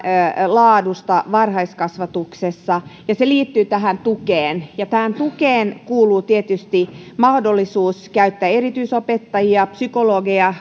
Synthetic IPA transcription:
lɑːdust̪ɑʋɑrhɑiskɑsʋɑt̪uksesːɑjɑseliːt̪ːyːt̪æɦænt̪ukeːnjɑt̪æhænt̪ukeːnkuːluːt̪iet̪yst̪imɑhdolːisuːskæyt̪ːæːeɾit̪yisopet̪ːɑjiɑpsykoloɡiɑ

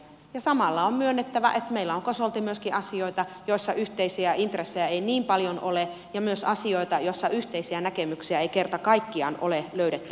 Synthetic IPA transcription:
jɑsɑmɑlːɑommyønːet̪ːæʋæ̰ʔet̪meilːæoŋkosolt̪imyøskiʔɑsioit̪ɑjoisːɑʔyht̪eisiæint̪resːejæeiniːmpɑljonʔole | jɑmyøsɑsioit̪ɑjoisːɑʔyht̪eisiænækemyksiæeikert̪ɑkɑikːiɑ̰ːnʔoleløyɾet̪ːy

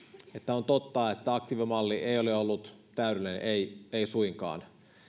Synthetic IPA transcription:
et̪ːæont̪ot̪ːɑːet̪ːæɑk̚t̪iʋemɑlːiʔeijoleolːut̪t̪æyɾelinḛʔeieisuiŋkɑ̰ːn

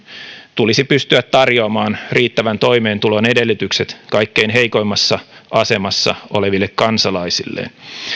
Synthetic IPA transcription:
t̪ulisipyst̪yæt̪tɑrjoɑmɑːnriːt̪ːæʋænt̪o̞jme̞ːnt̪ulo̞nede̞lːyt̪ykse̞t̪kɑjkːe̞inɦe̞jko̞jmːɑsːɑɑse̞mɑsːɑ̰o̞̰le̞ʋilːekkɑnsɑlɑisilːḛn

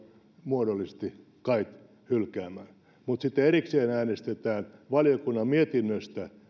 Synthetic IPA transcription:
muodolːise̥st̪i | kɑit̪ | hylkæːmæː | mut̪sit̪ːeeɾikseːnæːnest̪et̪æːnʋɑljokunːɑmmiet̪inːøst̪æ

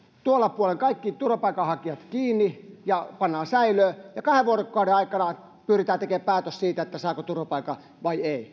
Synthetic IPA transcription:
t̪uolːɑpuoleŋkɑikːit̪urʋopɑikɑhɑkiʋɑt̪kiːnːijɑpɑnːɑːsæiløːjɑkɑheʋʋuorokːɑudeɑikɑnɑ | pyːrit̪æːt̪ekeːppæːt̪øssiːt̪æet̪ːæsɑːkot̪urʋopɑikɑ | ʋɑiei

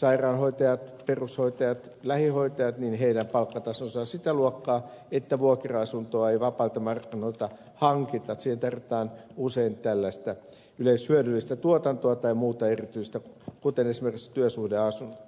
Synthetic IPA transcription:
sɑirɑːnhoit̪ɑjɑt̪perushoit̪ɑjɑt̪ | læhihoit̪ɑjɑt̪ninheidæmpɑlkːɑt̪ɑsonsɑːsit̪æluokːɑːet̪ːæʋuokeroɑsunt̪oɑeiʋɑpɑilt̪ɑmɑrkːinoit̪ɑ | hɑŋkit̪ɑt̪siːhent̪ɑrʋit̪ɑːnuseint̪ælːæist̪æ | yleishyødylːist̪æt̪uot̪ɑnt̪oɑt̪ɑimuːt̪ɑerit̪yist̪ækut̪enesimerki̥kst̪yøsuhdeɑsun

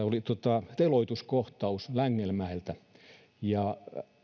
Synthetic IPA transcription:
olit̪ot̪ɑt̪eloit̪uskoht̪ɑuslæŋːelmæelt̪æ | jɑ

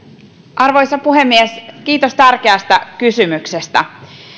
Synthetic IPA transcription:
ʔɑrʋo̞jsɑpuɦe̞mːiesk̟iːt̪o̞st̪ærk̟eɑst̪æk̟ysymyksest̪æ̰

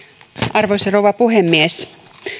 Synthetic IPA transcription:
ʔɑrʋoiserowʋɑpuɦemːies

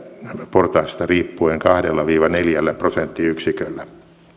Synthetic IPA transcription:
port̪ɑːst̪ɑriːpːueŋkɑhdelːɑʋiːʋɑneljælːæprosent̪ːiyksikølːæ

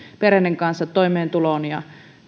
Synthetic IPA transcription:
pereneŋkɑnsːɑt̪ːoimeːnt̪uloˑnjɑ̰

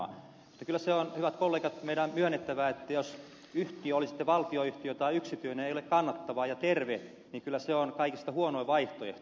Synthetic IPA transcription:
ɑ̰ | mut̪ːɑkylːæseonhyʋæt̪kolːeːkɑt̪meidæmmyønːet̪ːæʋæːet̪ːæjos | yht̪iøolisi̥t̪ːeʋɑlt̪ioyht̪iøt̪ɑiyksit̪yineneijolekkɑnːɑt̪ːɑʋɑːjɑt̪erʋe | niːŋkylːæseonkɑikist̪ɑhuonoiʋɑiht̪oḛht̪

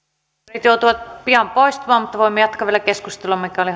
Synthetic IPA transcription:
it̪jout̪uʋɑt̪̚piɑmpoist̪ɑmɑːmut̪ːɑʋoimːejɑt̪kɑʋielækeskust̪eluɑmːikːæoli

